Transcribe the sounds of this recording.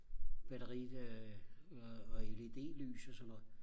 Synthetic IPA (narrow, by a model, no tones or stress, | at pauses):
b̥æɾ̥ɐʁi̥ø | ɒelid̥e̝̰ːly̰ːsɒsɒnːɔ̽ð̩ˠ